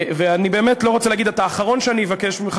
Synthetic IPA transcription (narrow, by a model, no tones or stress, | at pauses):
veanibe̞ːmetlo̞ʁot͡seleaɡid̪at̪aːχaʁo̞nʃeanijevakeʃbimχ